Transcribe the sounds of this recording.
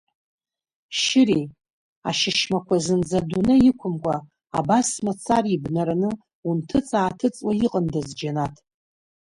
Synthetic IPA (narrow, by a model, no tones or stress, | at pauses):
ʃɪɾi | a̰ʃɪʃmakʷazɨnd͡zadunɨjɪkʷʰʊmkʷʼa̰ː | basmat͡sʰaribnaɾanɨ | untʰɨt͡sʼaːtʰɨt͡sʼwaiqʼəndazd͡ʒanatʰ